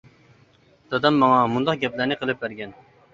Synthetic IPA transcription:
d̪̥ɑd̪ɑmːɑŋɑmund̪ɑq̚ɡʲɛplæɾnɪqʰəlˠɨp̚bæɾɡʲɛn

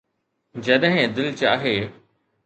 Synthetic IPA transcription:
d͡ʑɐɗɦɪ̃d̪ɪlt͡ɕaːɦeː

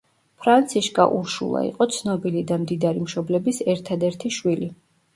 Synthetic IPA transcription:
pʰɾant̪sʰiʃkʼa̰ʔuɾʃṵlˠa̰ḭqʼɔt̪sʰnɔbilid̪amd̪id̪aɾimʃɔblɛbisɛɾt̪ʰad̪ɛɾt̪ʰiʃwili

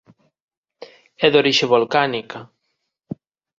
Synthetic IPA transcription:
ɛðoɾiʃeβolkanika

